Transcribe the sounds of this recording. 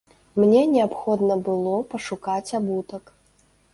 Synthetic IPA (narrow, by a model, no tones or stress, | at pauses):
mnʲɛnʲɛapxɔd̪nɐbɨlˠɔpɐʂukat͡sʲabut̪ɐk